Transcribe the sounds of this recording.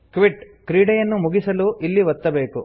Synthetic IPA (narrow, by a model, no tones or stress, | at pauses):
kʋiʈ | kɾiːɽɐjɐnːumuɡisɐluʔilːiʋɐt̪ːɐbe̞ːku